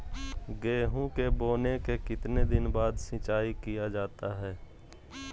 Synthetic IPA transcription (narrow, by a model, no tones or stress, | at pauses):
ɡeːɦũkeboːnekekɪt̪ned̪ɪnbaːd̪sɪ̃t͡ʃaːikijad͡ʒaːt̪aɦɛː